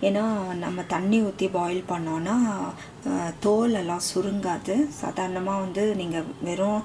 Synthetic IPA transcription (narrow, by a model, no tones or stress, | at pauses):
eːnaːnɐmːɐt̪ɐɳːiʊt̪ːibaːjɪlpɐɳːõːnːaː | t̪oːlɛlːãːsʊɾɯŋɡaːðɯsa̰ːd̪aːɾɐnɐmaːʋɐnd̪ɯniːŋɡɐʋɛːɾʊ̃